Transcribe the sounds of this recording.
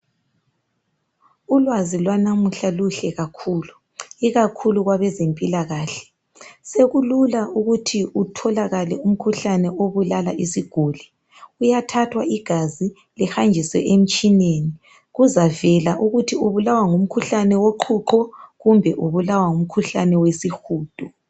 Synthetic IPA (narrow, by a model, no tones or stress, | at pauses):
ulwazilwanamuɬaluɬɛɣakʰuːlu | iɣakʰuluɣwaβɛzempʼilaɣaːɬɛ̥ | seɣululaʔuɣutʰiʔutʰɔlaɣalɛum̩kʰuɬanɛʔoβulalaʔisiɡ̥ʱuːlɛ | ujatʰatʰwaiɡ̥ʱazi | lɛxand͡ʒʱiswɛ̰ʔem̩t͡ʃʼineːni | ɣuzavɛlaʔuɣutʰiuβulawaŋum̩kʰuɬanɛwoǃʰuǃɔɣumbʱɛʔuβulawaŋum̩kʰuɬanɛwesixuːd̥ʱu